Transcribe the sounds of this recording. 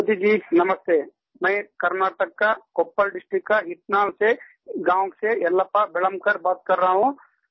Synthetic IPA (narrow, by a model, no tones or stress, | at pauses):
od̪id͡ʒiːnɐməst̪eː | mɛ̃ːkɐɾnaːʈəkːakoːpːəlɖɪsʈɾikːaɦɪʈnaːmse | ɡãːŋɡseɐlːapabɪləmkɐɾbaːt̪̚kɐɾːɐɦaɦũ